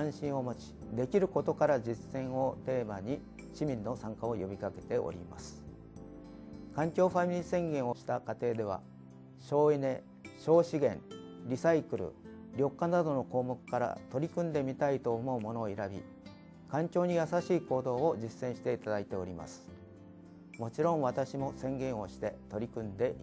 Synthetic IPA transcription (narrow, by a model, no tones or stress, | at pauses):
ãɰ̃ɕĩɰ̃o̞mot͡ɕi̥ | d̪e̞kʲiɾɯ̟ko̞t̪o̞kaɾad͡ʑisːẽ̞ɰ̃o̞t̪e̞ːmaɲ̟i | ɕimʲĩnːo̞sãŋkao̞jo̞bʲikake̞t̪e̞ʔo̰ɾʲḭma̰sɨ̥ | kãŋkʲo̞ːɸamʲiɾʲisẽ̞ŋɡẽ̞ɰ̃o̞ɕi̥t̪akat̪e̞ːd̪e̞β̞a̰ | ɕo̞ːine̞ | ɕo̞ːɕiɡẽ̞̰ŋɾʲisaikɯ̟ɾɯ̰ | ɾʲo̞kːanad̪o̞no̞ko̞ːmo̞kɯ̟̥kaɾa̰t̪o̞ɾʲikɯ̟̃nd̪e̞mʲit̪ait̪o̞ːmo̞ɯ̟mo̞no̞ːiɾabʲḭ | kãŋkʲo̞ːɲ̟ijasaɕiːko̞ːd̪o̞ːod͡ʑisːẽ̞ɰ̃ɕi̥t̪e̞it̪ad̪ait̪e̞o̞ɾʲima̰sɨ̥ | mo̞t͡ɕiɾõ̞ɰ̃βat̪aɕimo̞sẽ̞ŋɡẽ̞ɰ̃o̞ɕi̥t̪e̞t̪o̞ɾʲikɯ̟̃nd̪e̞mʲi